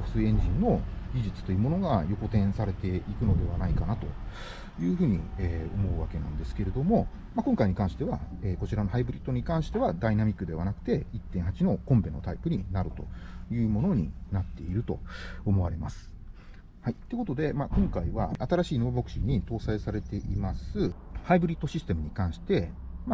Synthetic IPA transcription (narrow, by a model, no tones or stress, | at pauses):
ɸ̟sɨiẽ̞ɲ̟d͡ʑĩnːo̞ɡʲiʑit͡sɨ̥t̪o̞jiɯ̟mo̞noɡajo̞ko̞t̪ẽ̞ɰ̃saɾe̞t̪e̞ikɯ̟no̞d̪e̞βanaikanat̪o̞ | jɯ̟ːɸɯ̟ːɲ̟ḭeːo̞mo̞ɯ̟βake̞nã̰nd̪e̞sɨ̥ke̞ɾe̞d̪o̞mo̞ | makõŋkaiɲ̟ikãɰ̃ɕi̥t̪e̞βa̰eːko̞t͡ɕiɾanoɦaibɯ̟ɾʲit̪ːo̞ɲ̟ikãɰ̃ɕi̥t̪e̞βad̪ainamʲikːɯ̟d̪e̞β̞anakɯ̟t̪e̞it̪ːẽɰ̃ɦat͡ɕino̞kõ̞mbẽ̞nːo̞t̪aipɯ̟ɲ̟inaɾɯ̟t̪o̞jɯ̟ːmo̞no̞ɲ̟ḭnat̪ːe̞̰iɾɯ̟t̪o̞ːmo̞βa̰ɾe̞masɨ̥ | hait̪ːeeko̞t̪od̪e̞makõ̞ŋkaiβaat̪aɾaɕiːnobo̞kɯ̟̥ɕiɲ̟ːit̪o̞ːsaisaɾe̞t̪e̞ʔimasɨhaibɯ̟ɾʲit̪ːo̞ɕisɨ̥t̪e̞mɯ̟ɲ̟ikãɰ̃ɕi̥t̪e̞ | ma